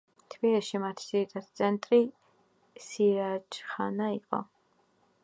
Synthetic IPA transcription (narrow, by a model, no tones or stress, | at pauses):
t̪ʰbiliʃimat̪ʰd͡ʒiɾit̪ʼat̪sʼʰɛnt̪ʼɾi | siɾat͡ʃʰʼχanaiqʼɔ̰